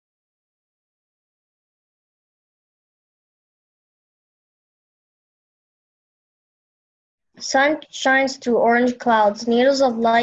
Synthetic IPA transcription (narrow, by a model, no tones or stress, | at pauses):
sʌ̃nʃãɪ̃nz̥tʰəɔɹɨ̃nd͡ʒkʰl̥aʊdzniɾl̩ˠzʌvlaɪ